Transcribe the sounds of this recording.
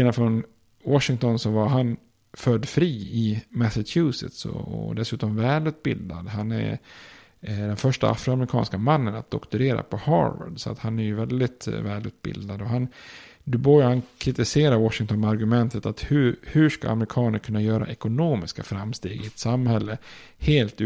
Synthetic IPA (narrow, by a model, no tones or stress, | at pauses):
enafɾɔn | wɔʂɪŋt̪ɔnsɔvaɾɦan | fœd̪fɾiːɪmæsat̪ʰʉːsɪ̰t̪sɔ̰ɔ̰d̪ɛsʉ̟ːt̪ɔmvɛːlʉ̟ːt̪̚bɪ̰ld̪ad̪ɦanæ̰ | d̪ɛnfœʂʈa̰ʔa̰fɾʊamɾɪkʰɑ̰ːnskamanːəna̰t̪̚d̪ɔkt̪ɵɾeːɾa̰pʰɔhɑ̰ːvə̰ɖsɔa̰t̪hanæɾjɵvɛld̪ɪt̪vɛːlʉ̟ːt̪̚bɪ̰ld̪ad̪ɔɦand̪ɵbɔjhankʰɾɪt̪ɪseːɾaɾwɔʂɪŋt̪ʰɔnaɾɡɵmɛnt̪ʰət̪at̪hʉhɵʂka̰a̰mɾɪkʰɑːnəɾkʰɵnːajœːɾa̰ʔɛkʊnoːmɪskafɾamst̪eːɡɪɛt̪samhɛlːəheːlt̪